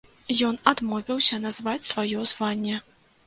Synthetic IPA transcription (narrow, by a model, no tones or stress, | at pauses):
jɔn̪ad̪mɔvʲiwsʲɐnazvat͡sʲsvajɔzvanʲːɛ